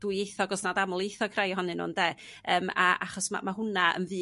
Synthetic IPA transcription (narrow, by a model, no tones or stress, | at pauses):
d̥uɨejθɔɡɔsnadamʊlˠejθɔkʰrajɔɦɔnɨnṵːndeː | əːmaaχɔsma̰maɦʊnaə̰nvɨː